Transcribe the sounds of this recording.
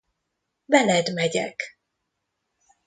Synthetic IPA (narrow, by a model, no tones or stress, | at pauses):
bɛlɛd̪mɛɟɛ̰k